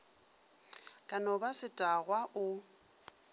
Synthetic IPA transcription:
kʼanɔbasɪtʼaɣwaʔʊ

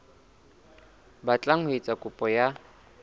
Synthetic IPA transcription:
bat͡ɬʼaŋet͡sʼakʼʊpʼɔja

